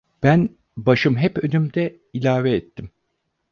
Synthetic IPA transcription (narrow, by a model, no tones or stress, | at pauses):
b̥æn | baʃɯmɦɛpø̞nymd̪ɛ | ilʲaːvɛːt̪ʰːim